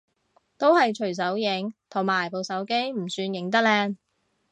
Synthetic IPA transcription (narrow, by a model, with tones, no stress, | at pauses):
t̪o˥whɐ˨jt͡ʃʰɵ˨˩ɥs̬ɐ˨˥wjɪ˨˥ŋt̪ʰʊ˨˩ŋmaː˨˩jpo˨˧wsɐ˨˥wke˥jm̩˨˩syː˧njɪ˨˥ŋt̪ɐ˥k̚lɛː˧ŋ